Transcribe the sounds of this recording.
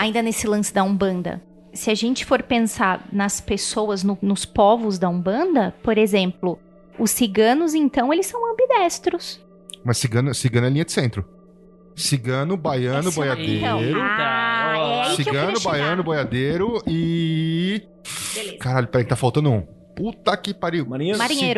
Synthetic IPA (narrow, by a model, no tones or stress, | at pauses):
aĩnd̪ɐnesɪlɐ̃sɪd̪ɐũbɐ̃nd̪ɐ̰ | sɪaʒẽnt͡ʃɪ̥foɾpẽsaɾnɐspesowɐznʊnʊspɔvʊzd̪ɐũbɐ̃nd̪ɐpoɾezẽmplʊ | ʊsːiɡɐ̃nʊzẽnt̪ɐ̃w̃elɪsːɐ̃w̃ɐ̃mbid̪ɛst̪ɾʊs | mɐsːiɡɐ̃nʊsiɡɐ̃nʊɛlĩɲɐd͡ʒ̪ɪ̥sẽnt̪ɾʊ | siɡɐ̃nʊbajɐ̃nʊbojad̪eɐ̃wɾʊaɛsiɡɐ̃nʊbajɐ̃nʊbojad̪eɾʊɪ | lezkaɾaʎʊpɛɾekt̪afawt̪ɐ̃nd̪ʊũ | put̪ɐkɪpaɾiwmaɾĩemaɾĩɲejɾʊ